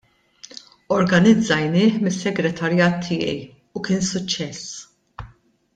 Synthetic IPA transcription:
ɔɾɡɐnɪd͡zːɐjnɪːħmɪsːɛɡɾɛt̪ʰɐɾjɐːt̪ʰːɪːjɛ̰j | ukɪːnsʊt͡ʃːɛs

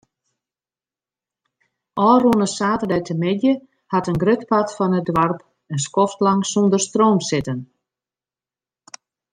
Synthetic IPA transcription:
ɔːruənəsaːtərdɛjtʰəmɪdjə | hatənɡrøtpatfɔnət̚dʋarp | ənskɔftlaŋsɔndərstroːmsɪtən

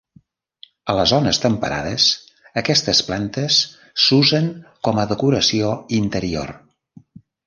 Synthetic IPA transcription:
ələzɔnəst̪əmpə̰ɾa̰ðəs | əkɛst̪əsplant̪əsː | uzəŋkɔməðəkuɾəsioint̪əɾio̰r

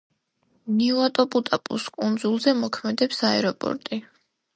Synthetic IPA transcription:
niuat̪ʼɔpʼut̪ʼapʼṵskʼund̪zulˠzɛmɔkʰmɛd̪ɛpsaɛɾɔpʼɔ̰ɾt̪ʼi

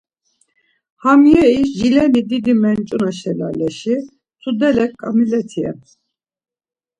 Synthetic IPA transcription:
hamjɛiʃʒilɛnid̪id̪imɛnt͡ʃʼunaʃɛla̰lɛʃi | t͡sʰud̪ɛlɛkkʼamilɛt̪ʰiɛ̰

